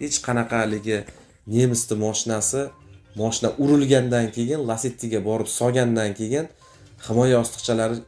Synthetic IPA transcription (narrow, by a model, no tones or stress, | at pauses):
he̞t͡ʃqʰɑnɑqʰɑlɪɡʲɪ | ne̞mɪst̪ʰɪmɒʃɪnasɪmɒʃɪnaʔʊɾɪlɡʲand̪ankʲʰe̞jɪnlˠaset̪ʰːɪɡʲabɒɾɪpsɒɡʲand̪ankʲʰe̞jɪn | hɪmɒjaɒst̪ɨ̥qt͡ʃʰalaɾɪ